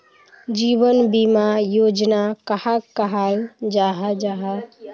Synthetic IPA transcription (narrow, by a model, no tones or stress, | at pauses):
d͡ʒiβənbimajod͡ʒnakəhakəɦald͡ʒaɦad͡ʒaɦə